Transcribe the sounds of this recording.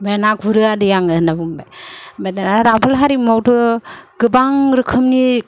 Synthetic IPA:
menakʰuɾɯadɯjaŋɯnabumbajmadanaɾapʰɯlɦaɾimawtʰɯɡɯbaŋɾɯkʰɯmni

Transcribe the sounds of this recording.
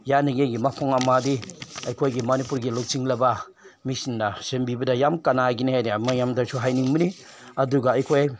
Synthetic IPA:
janiɡejɡimapʰɔŋamadiɐjkʰojɡimanipuɾɡilok̚siŋlɐba | misinːɐsembibɐdɐjamkanaɡinihajdimajamdaɾsʰuɦajniŋmini | ɐduɡɐɐjkʰoj

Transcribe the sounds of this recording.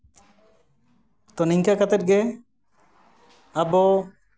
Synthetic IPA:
t̪ɔniŋkakat̪ɛt̪̚ɡɛ | abɔ

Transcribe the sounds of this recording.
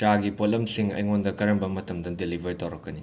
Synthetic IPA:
t͡ʃaɡipolɐmsiŋɐ̰jŋondɐkɐɾɐmbɐmɐtʰɐmdɐdelibʱɐɾitɐwɾɐkːɐni

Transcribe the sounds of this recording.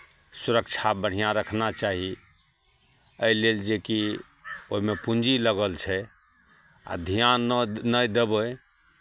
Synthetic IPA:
suɾək̚t͡ʃʰabəɽ̤ijãɾəkʰnat͡ʃaɦi | əjleld͡ʒeki | oɦimepund͡ʒiləɡəlt͡ʃʰɛ | a̰d̪ʱijannəjd̪ebə

